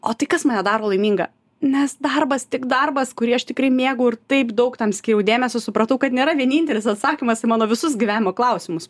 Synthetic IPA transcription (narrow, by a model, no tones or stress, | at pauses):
oːt̪ɐɪkɐsmɐːnʲɛd̪ɑːɾoːlˠɐɪmʲiːŋɡɐ̰ | nʲɛsd̪ɐrbɐst̪ʲɪkd̪ɐrbɐskʊɾʲiɛɐʃt̪ʲɪkɾɐɪmʲeːɡɐʊɪɾt̪ɐɪpd̪ɐʊkt̪ɐmsʲkʲiːɾɛʊd̪ʲeːmʲɛsʲoːsʊpɾɐt̪ɐʊkɐt̪nʲeːɾɐʋʲiɛnʲiːnʲt̪ʲɛlʲɪsɐt̪sɑːkʲiːmɐsɐɪmɑːnoːʋʲɪsʊsɡʲɪʋʲæːnʲɪmoːklˠɐʊsʲɪmʊs